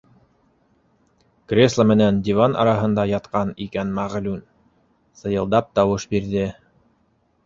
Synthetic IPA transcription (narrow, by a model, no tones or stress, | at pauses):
krʲe̞slˠəmɘ̆nænd̪ʲivanʔɑ̰ɾɑɦɤ̆nd̪ɑjɑt̪qɑnikænmæʁlʉn | sɤ̆jɤ̆lˠd̪ɑp̚t̪ɑwɤʃbiɾðɘ